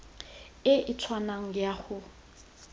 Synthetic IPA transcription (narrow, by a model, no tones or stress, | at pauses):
ɪʔɪt͡sʰwanaŋ̩jaχʊ